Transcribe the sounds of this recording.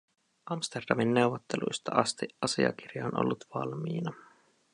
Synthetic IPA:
ɑmst̪erd̥ɑminːe̞wʋot̪ːelṵjst̪ɑɑst̪iʔɑsiɑ̰kirjɑonʔo̰lːut̪ʋɑlmiːnɑ

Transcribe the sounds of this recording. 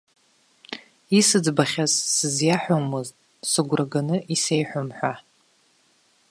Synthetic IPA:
isɨd͡zbaχʲazsɨzjaħʷomɨztʼ | sɨɡʷraɡanɨʔisejħʷʊmħʷa

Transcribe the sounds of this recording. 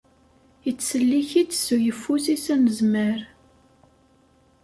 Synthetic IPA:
jət͡sːsəlːiçit͡sːsujəfːusisænəzməɾ

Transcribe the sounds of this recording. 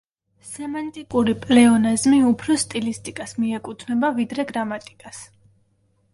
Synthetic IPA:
sɛmant̪ʼikʼuɾipʼlɛɔnazmiupʰɾɔst̪ʼilist̪ʼikʼasmiɛkʼut̪ʰnɛbavid̪ɾɛɡɾamat̪ʼikʼas

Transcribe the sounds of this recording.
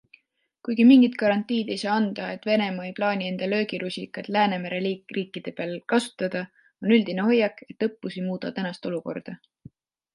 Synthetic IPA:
kujɡ̥imiŋɡ̥it̪kɑɾɑnt̪ːˑiːd̪̥e̞jsɑːɑnd̪̥ɑe̞t̪ːˑve̞ne̞mɑejplɑːnʲie̞nd̪̥ɑlø̞ːɡiɾusʲḭkːˑɑt̪læːne̞mæɾe̞liːriːkːˑid̪̥e̞peɑlkɑsu̥t̪ːˑɑd̪̥ɑ | o̞nyld̪̥ineɦo̞jːɑkˑe̞t̪ːˑɤpːusimuːd̪̥ɑt̪ænɑst̪o̞luko̞̰rd̪̥ɑ

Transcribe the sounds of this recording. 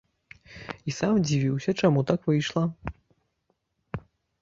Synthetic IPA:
isamd͡zʲivʲiwsʲɐt͡ʂamut̪akvɨjʂlˠɐ

